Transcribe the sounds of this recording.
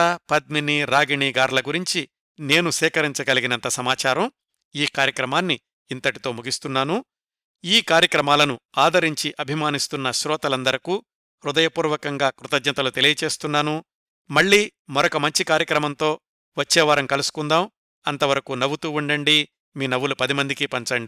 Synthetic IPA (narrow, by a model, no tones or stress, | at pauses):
ɐpɐd̪̚miniɾaːɡiɳiːɡaːɾlɐɡuɾiɲt͡ʃi | ne̞ːnusɛːkɐɾiɲt͡ʃɐɡɐliɡinɐnt̪ɐsɐmaːt͡ʃaːɾɐm | iːkaːɾjɐkɾɐmaːnːiː | nt̪ɐʈit̪o̞ːmuɡist̪unːaːnu | iːkaːɾjɐkɾɐmaːlɐnuaːd̪ʱɐɾiɲt͡ʃiʔɐbʱimaːnist̪unːɐʃɾɔːt̪ɐlɐnd̪ɐɾɐku | ɾud̪ɐjɐpuːɾʋɐkɐŋɡaːkɾut̪ɐd͡ʒnɐt̪ɐlut̪e̞lijɐt͡ʃe̞ːst̪unːaːnu | mɐɭːiːmɐɾɔkɐmɐɲt͡ʃikaːɾjɐkɾɐmɐnt̪o̞ː | ʋɐt͡ʃːɛːʋaːɾɐmkɐlusu̥kund̪aːm | ɐnt̪ɐʋɐɾɐkunɐʋut̪uːuɳɖɐɳɖi | miːnɐʋːulupɐd̪imɐnd̪ikipɐɲt͡ʃɐɳɖi